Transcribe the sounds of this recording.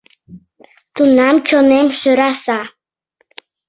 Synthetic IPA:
t̪unamt͡ɕʰonɛmsøɾasa

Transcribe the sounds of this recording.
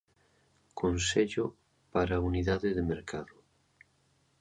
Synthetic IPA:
kʰonseʎʊ | paɾauniðaðɪðemeɾkʰaðʊ

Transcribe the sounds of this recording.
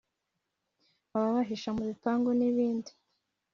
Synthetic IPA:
aβaβaɦiʃamuβipaːŋɡoniβiːndi

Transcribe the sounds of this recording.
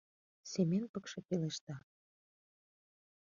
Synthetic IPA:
sʲemenpəkʃɤ̆peleʃt̪ɑ

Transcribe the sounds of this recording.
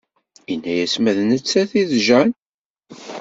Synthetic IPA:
inːæjæsmæðnət͡sːæθiðʒæn

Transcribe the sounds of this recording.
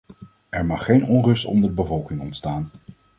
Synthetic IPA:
ɛɹmɑχːejnɔnrɵstɔ̰ndədəbəvɔlˠkɪŋɔntstaːn

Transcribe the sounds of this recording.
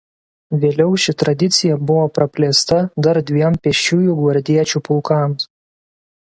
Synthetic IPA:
ʋʲeːlʲɛʊʃʲɪt̪ɾɐd̪ʲɪt̪sʲɪjɛbʊʋoːpɾɐpʲlʲeːst̪ɐd̪ɐɾd̪ʲʋʲiɛmpʲɛʃʲuːjuːˑɡʋɐɾʲd̪ʲiɛt͡ʃʲuːpʊlˠkɑms

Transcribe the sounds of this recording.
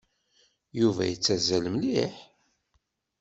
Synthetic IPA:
juvæ̰jət͡sːæzæləmliħ

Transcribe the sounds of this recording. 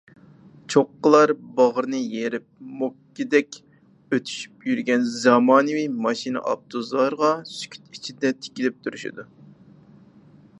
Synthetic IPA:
t͡ʃʰoqːəlˠɑɾbɑʁəɾnɨjeɾɪp̚mokʲːid̪ɛkʲ | øt̪ʰy̥ʃy̥pjyɾɡʲɛnzɑmɑːnɨvijmɑʃinɨ̰ʔɑ̰p̚t̪ʰozlˠɑɾʁɑsy̥kʲʰy̥t̪it͡ʃʰid̪ɛt̪ʰɪ̥kʲilɪp̚t̪ʰuɾyʃḭd̪u

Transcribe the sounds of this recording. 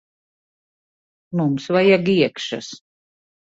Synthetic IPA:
mumsvajaɡiɛkʃa̰s

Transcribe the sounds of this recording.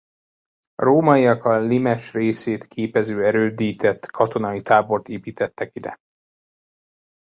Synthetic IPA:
roːmɒiɒkɒlimɛʃreːseːt̪kʰeːpɛzøːɛɾøːd̪iːt̪ɛt̪kʰɒt̪o̞nɒit̪aːbo̞rt̪eːpiːt̪ɛt̪ːɛkid̪ɛ̰

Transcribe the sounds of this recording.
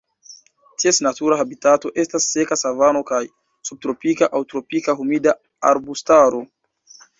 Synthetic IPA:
tiesnatuɾaɦabitato̞ʔe̞stasːe̞kasavano̞kaj | sub̚tɾo̞pikaʔawtɾo̞pikaɦumida | a̰ɾbustaɾo̞

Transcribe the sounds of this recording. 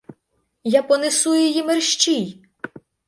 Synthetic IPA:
japɔnɪsujɔjimerʃt͡ʃij

